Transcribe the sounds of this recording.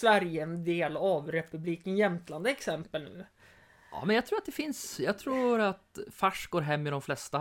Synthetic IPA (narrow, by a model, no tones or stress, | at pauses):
svæɾjəɛnd̪eːlavɾɛpɵbliːkənjɛmt̪land̪əɛksɛmpəlnʉ̟̰ː | ɑ̰ːmɛnjɑɡt̪ʰɾuːat̪d̪ɛfɪnsjɑːɡt̪ʰɾuːɾat̪faʂɡoːɾɦɛmːɪd̪ɔmflɛst̪a